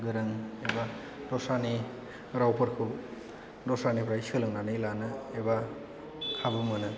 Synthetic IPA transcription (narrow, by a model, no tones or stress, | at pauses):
ɡɯɾɯŋeba | dɔsani | ɾawpʰɯɾkʰɯ | dɔsanipʰɾajsɯlɯŋnanɯjlanɯeba | kʰabɯmɯnɯ